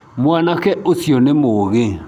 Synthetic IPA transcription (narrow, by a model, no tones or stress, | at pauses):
mwanakɛosjɔnemoɣe